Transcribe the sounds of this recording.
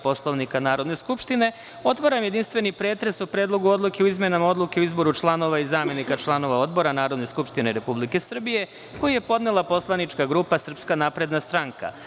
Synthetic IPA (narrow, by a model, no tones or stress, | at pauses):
po̞slˠo̞ʋnikanaːɾo̞d̪ne̞skupʃt̪ine̞ | o̞t̪ʋaɾamje̞d̪inst̪ʋe̞nipɾe̞ːt̪ɾesupɾeːd̪lˠo̞ɡuo̞d̪lˠukeuizmjenamao̞d̪lukeuizbo̞ɾut͡ʃlˠano̞ʋaizaːmje̞nikat͡ʃlˠano̞ʋao̞d̪bo̞ɾanaːɾo̞d̪ne̞skupʃt̪ineɾe̞publike̞sr̩bije̞ | ko̞jije̞po̞d̪nelˠapo̞slˠanit͡ʃkaɡɾupasr̩pskanaːpɾe̞d̪nast̪ɾaŋka̰